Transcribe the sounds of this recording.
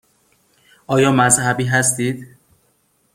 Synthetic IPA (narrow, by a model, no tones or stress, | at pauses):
ʔɒːjɒːmæzhæbiːɦæst̪iːd̪̥